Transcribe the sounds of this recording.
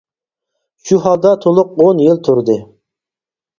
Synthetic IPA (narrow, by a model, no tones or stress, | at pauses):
ʃuɦɑlˠd̪ɑt̪ʰolˠʊq̚onjilˠt̪ʰuɾd̪ɨ